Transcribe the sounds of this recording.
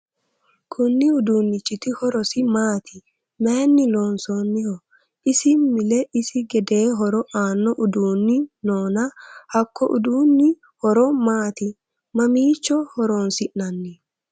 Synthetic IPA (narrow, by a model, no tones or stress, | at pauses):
kʰʊnːɪʊd̪uːnːɪt͡ʃʼːɪt̪ɪhɔɾɔsɪmaːt̪ʰɪ | meːnːɪloːnsoːnːɪhɔ | ɪsɪmɪlɛʔɪsɪɡɛd̪eːɦɔɾɔʔaːnːɔʔʊd̪uːnːɪnoːnɐhɐkːɔʔʊ̰d̪uːnːɪ | hɔɾɔmaːt̪ɪ | mɐmiːt͡ʃːɔhɔɾoːnsɪʔnɐnːi